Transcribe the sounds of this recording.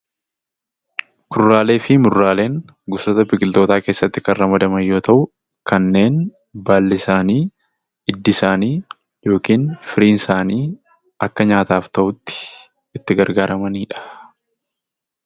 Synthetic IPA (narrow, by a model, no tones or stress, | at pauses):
kʊrːaːle̞ːfɪmʊrːaːle̞ːŋ | ɡʊsoːt̪ɐbɪkɪlt̪oːt̪aːke̞ːsːɐt̪ːɪkɐnrɐmɐd̪ɐmɐjːo̞ːt̪ɐʔʊ | kɐnːe̞ːn | baːlːɪsaːniː | ɪd̪ːɪsaːniː | jo̞ːkiːnfɪɾiːnɪsaːniː | ɐkːɐɲaːt̪aːft̪ɐʔʊt̪ːɪ̥ | ɪt̪ːɪɡɐɾɡaːɾɐmɐniːᶑɐ̥